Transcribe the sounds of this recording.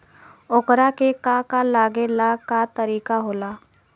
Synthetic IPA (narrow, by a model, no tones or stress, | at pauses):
okɾakekakalaːɡelakat̪əɾiːkaɦoːlaː